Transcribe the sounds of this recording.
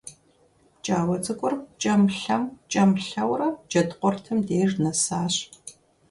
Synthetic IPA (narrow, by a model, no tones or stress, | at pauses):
t͡ʃʼaːwɐt͡sʼɨkʷʼʊrt͡ʃʼɐmɬɐmt͡ʃʼɐmɬɐwrɐd͡ʒɐdqʷʼɔrtʰɨmdeːrnɐsaːɕ